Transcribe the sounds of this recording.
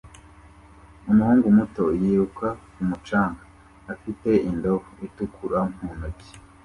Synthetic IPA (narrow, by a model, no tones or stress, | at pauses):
umuhuːŋɡumutojiːɾukʰa | umut͡ʃaːŋɡa | afite̞ʔindoβoitukʰuɾam̥huːnoci̥